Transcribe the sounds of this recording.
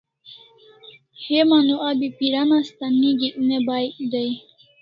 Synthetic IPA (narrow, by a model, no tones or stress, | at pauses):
hemanuʔabipiɾanast̪anːiɡiʔunebaːjid̪aj